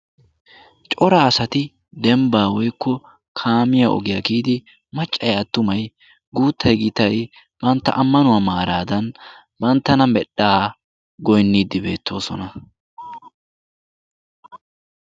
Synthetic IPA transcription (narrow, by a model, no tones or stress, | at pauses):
t͡ʃʼɔɾaːsɐt̪ɪ | d̪ɛmbaːwɔjkːɔ | kʰaːmɪjaʔɔ̰ɡɪjakiːd̪ɪ | mɐt͡ʃʼːɐjɐt̪ːʊmɐj | ɡuːt̪ʰːɐjɡɪt̪ɐj | b̥ɐnt̪ːɐ̰ʔɐmːɐnʊwɐmaːɾaːd̪ɐn | bɐnt̪ːɐnɐmɛɗaː | ɡɔjnːiːd̪ːɪbe̞̰ːt̪ːo̞ːsɔnɐ